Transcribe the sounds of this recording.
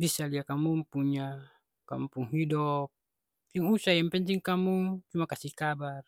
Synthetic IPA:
bisaliakamumpuɲa | kampuŋɦidɔp̚ | iŋusajampɛɲd͡ʒiŋkamut͡ʃumakasihkabar

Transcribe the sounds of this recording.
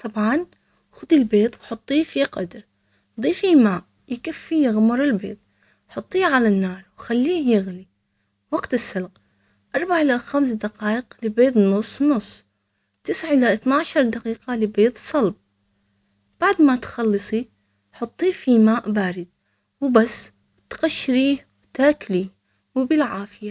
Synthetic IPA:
t̪ˤɑbʕɑn | xʊd̪ilbeːt̪ˤwħʊt̪ˤːiːfiqɑ̰d̪ɾ | d̪ˤiːfimaːʔ | jkafːijɪɣʊmʊɾˤɪlbeːt̪̚ˤ | ħʊt̪ˤːiːʕalanːɑːɾˤwxalːiːhjɪɣni | wɑɡt̪ɪsːɪlq | ʔɑɾˤbaʕʔɪlaxamsd̪aqɑːʔɪqlɪbeːt̪̬ˤnːʊsˤːnʊsˤː | t̪ɪsʕʔɪlaʔɪθnaʕʃɑɾˤd̪aqiːqalɪbeːt̪ˤsˤɑlb̚ | b̥aʕd̪mat̪xɑlːɨsˤi | ħʊt̪ˤːiːfimaːʔbaːɾɪd̪̚ | wbasː | t̪ɣaʃːɾiː | bt̪aːkli | wɪbɪlʕaːfɪja

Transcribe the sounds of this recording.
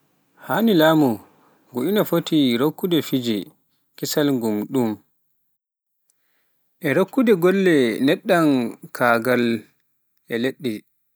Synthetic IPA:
hanilaːmu | ɡuʔinafotiɾokːudɛfid͡ʒɛ | kisalŋɡumɗum | ʔɛɾokːudɛɡɔlːɛnɛɗːankʰaːɡal | ʔɛleɗːɛ

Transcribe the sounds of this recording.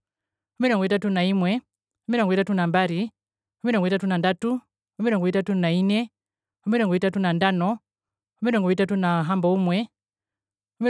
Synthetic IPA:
umiɾɔŋɡɔitatunaimwɛ | umiɾɔŋɡɔitatunambaɾi | umiɾɔŋɡɔitatunandatu | umiɾɔŋɡɔitatunainɛ | umiɾɔŋɡɔitatunandanɔ | umiɾɔŋɡɔitatunaɦambɔumwɛ | umi

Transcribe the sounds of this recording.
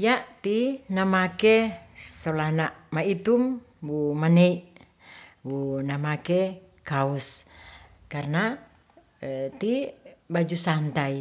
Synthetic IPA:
jaʔt̪inamakesolahnaʔmait̪um | bumaneiʔ | bunamake | kaus | karna | t̪ibad͡ʒusant̪ai

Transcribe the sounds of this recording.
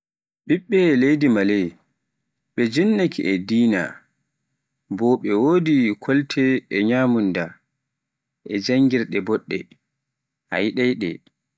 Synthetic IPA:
ɓiɓːɛlejdimalɛj | ɓɛd͡ʒinːakʰiʔɛdiːna̰ | bɔɓɛwodikʰɔltʰɛːɲaːmunda | ʔɛd͡ʒaŋɡiɾɗɛbɔɗːɛ̰ | ʔa̰jiɗajɗɛ̰

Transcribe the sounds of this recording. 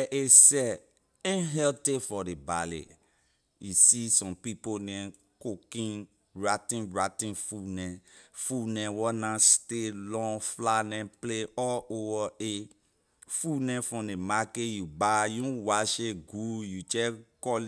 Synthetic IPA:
ʔesɛ | ĩɦɛltefɔdebalḛ | jusisɔ̃mpiponɛ̃ | kokĩn | ɹatĩnɹatĩnfunɛ̃funɛ̃wɔnãstelɔ̃ŋflanɛ̃pleɔowɔe | funɛ̃fɔ̃demakejubajũwaʃeɡujut͡ʃɛkɔ

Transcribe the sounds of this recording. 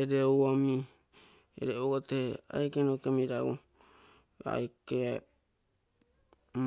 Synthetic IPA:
eɾeowami | ḛɾeoɡoteha̰jkenokemiɾaɡu | a̰jkea | m

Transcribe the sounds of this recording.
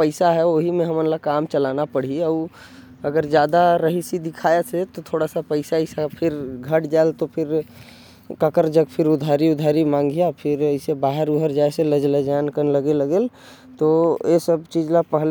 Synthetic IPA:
pəɪsaɦɛoɦimẽɦəmənlakaːmt͡ʃəlaːnapəɽ̤iə | əɡəɾd͡ʒjaːd̪aɾəɦisid̪ɪkʰaːeset̪ot̪ʰoːɽasapəɪsaɪsapʰɪɾɡʱəʈd͡ʒaelt̪opʰɪɾ | kəkəɾd͡ʒəɡpʰɪɾʊd̪ʱaːɾiʊd̪ʱaːɾimãːŋɡʱijapʰɪɾəɪsebaːɦəɾuɦəɾd͡ʒaːeseləd͡ʒləd͡ʒankənləɡeləɡel | t̪oesəbt͡ʃiːd͡ʒlapəɦl

